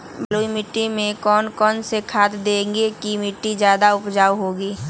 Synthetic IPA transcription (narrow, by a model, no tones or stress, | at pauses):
bəloːimɪʈːimẽkɔːnkɔːnsekʰaːt̪d̪ẽːŋɡekimɪʈːid͡ʒjaːd̪aʊpd͡ʒaːwɦoːɡiː